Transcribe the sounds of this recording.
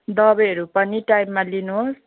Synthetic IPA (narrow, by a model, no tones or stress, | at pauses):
d̪ʌbʌjɦʌɾupʌniʈajmːalinuɦos